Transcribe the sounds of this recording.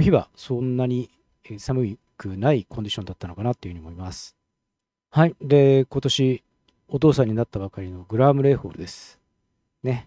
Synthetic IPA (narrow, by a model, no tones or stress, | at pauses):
çiβa̰sõ̞nːaɲ̟i | samɯ̟i | kɯnaikõ̞ɲ̟d͡ʑiɕo̞nd̪at̪ːano̞kanat̪ːeɯɯ̟ɲimo̞imasɨ̥ | haid̪e̞ko̞t̪o̞ɕi | o̞t̪̬o̞ːsãɲ̟ːinat̪ːabakaɾʲino̞ɡɯ̟ɾamɯ̟ɾe̞ːɸo̞̰ːɾɯd̪e̞sɨ̥ | ne̞